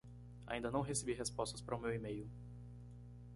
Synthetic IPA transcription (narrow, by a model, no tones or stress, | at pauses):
a̰ĩnd̪ɐnɐ̃w̃ɦesebiɦespɔst̪ɐspaɾɐumewimejʊ